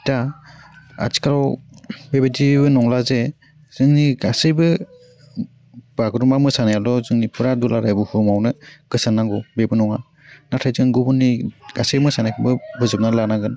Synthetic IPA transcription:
ta | a̰ti̥kaɾɔwbebetibɯnɔŋlaze | z̥ɯŋniɡasɯjbɯ | b̥aɡɾumamɯsanajalɔzɯŋnipʰɯɾadulaɾajbuhumawnɯɡ̥ɯsanːaɡɔbebɯnɔŋa | natʰajzɯnɡubuniɡ̥asejmɯsanajkʰɯbɯbɯzɯp̚nalanaɡɯn

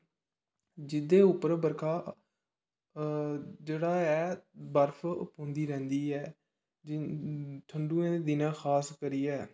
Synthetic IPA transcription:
d͡ʒɪd̪eːʊpːəɾbəɾkʰaː | d͡ʒeːɽaːɛːbəɾfʰpõːnd̪iːɾɛ̃ːnd̪iːɛː | d͡ʒ | ʈʰəɳɖũːẽːd̪ɪnãːxʰaːskəɾiːɛː

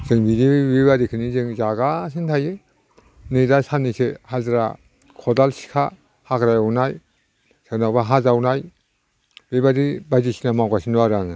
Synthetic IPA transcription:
z̥ɯŋbidibebadikʰɯnizɯŋzaɡasɯntʰajɯ | nɯdasanisehazɾa̰ | kʰɔdalsi̥kʰa̰ | hakɾajawnaj | sanawbaɦazawnaj | bebadibajdisinamawɡasinaɾaŋɯ

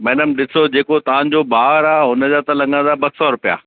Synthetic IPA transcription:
mɛːnəmɗɪsod͡ʑeːkot̪ɐʋ̤ãɲd͡ʑoːbaːɾaːɦʊnəd͡ʑaːt̪ɐlɐ̃ŋɡãnd̪abɐssɔɾʊpija̰ː

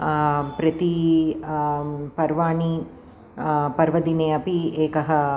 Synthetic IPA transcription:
pɾɐt̪i | pɐɾʋaːɳi | pɐɾʋɐd̪ineːɐpieːkɐɦɐ

